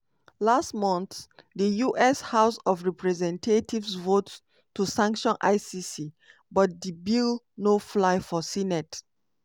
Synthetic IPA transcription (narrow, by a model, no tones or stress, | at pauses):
lastmɔ̃nθdəjuʔɛshaʊsɔfɹɛpɹɛzɛ̃ntʰetivsvotː | usãŋkʃɔ̃nʔa̰ɪsisi | bɔt̚dibil | noflaɪfɔsinɛt